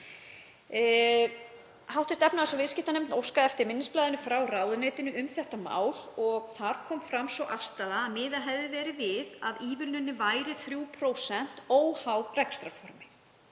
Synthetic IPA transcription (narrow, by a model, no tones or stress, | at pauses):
hawht̪ɛst̪ɛpnaðasawvɪscɪht̪anemt̪nowskaɛft̪ɪɾmɪnːɪsplaːðɪnʏfɾawraːwðʏnɛːt̪ɪnʏʔʏmθɛht̪ama̰ːwlɔɣθaɾkʰɔːmfɾamsvɔʔafst̪aːðaːðmɪːðaɦɛvðɪvɛːɾɪvɪðaðiːvʏlnʏnːɪvaːjɾɪθɾjuːpʰɾowsɛn̥t̪oːwhawrɛkst̪ɾafɔɾmɪ